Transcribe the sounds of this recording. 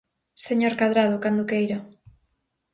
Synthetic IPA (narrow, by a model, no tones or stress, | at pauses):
seɲoɾkaðɾaðokand̪okejɾa